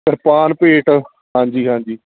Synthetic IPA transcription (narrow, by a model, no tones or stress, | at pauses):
kəɾpaːnpeːʈ | ɦãːɲd͡ʒiːɦãːɲd͡ʒiː